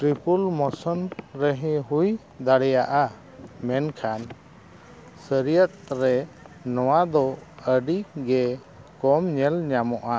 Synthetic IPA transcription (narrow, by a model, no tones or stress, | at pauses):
ʈɾipulmɔsɔnɾɛɦɛ̃ɦuj | d̪aɽɛjaʔa | mɛnkʰan | səɾijət̪̚ɾɛnɔwad̪ɔəɖiɡɛ | kɔmɲɛlɲamɔʔa